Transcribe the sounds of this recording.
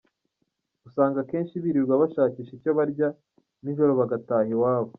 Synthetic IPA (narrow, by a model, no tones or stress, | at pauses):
ɡusaːŋɡake̞ːnʃiβiɾiɾɡwaβaʃaːciːʃeco̞βaɾɟa | niʒo̞ɾo̞βaɡataːhiwaːβo